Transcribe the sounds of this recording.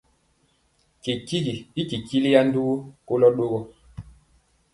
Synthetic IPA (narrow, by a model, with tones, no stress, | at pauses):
ki˨ki˦ɡi˨i˦ki˨ki˦li˦ja˦n˦du˦ɡu˦ko˦lɔ˦ɗo˦ɣɔ˨